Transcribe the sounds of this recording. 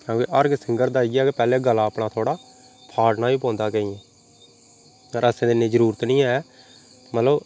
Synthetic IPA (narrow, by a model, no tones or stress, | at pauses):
ãːkeːʔəɾɡsɪŋɡəɾd̪aːiɡaːkepɛːleːɡəlaːpɳãːt̪ʰoːɽaː | pʰaːɽnaːiːpõːnd̪aːkəĩːɛ̃ː | əɾəsẽːd̪ɪnːẽːd͡ʒəɾuːɾət̪nĩːɛɛː | mət̪ləb